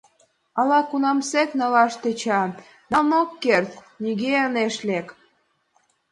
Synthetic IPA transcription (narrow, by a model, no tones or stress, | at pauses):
ɑlɑkunɑmseknɑlɑʃt̪et͡ɕɑ | d̪ɑlnokːert̪ | niɣeəneʃlek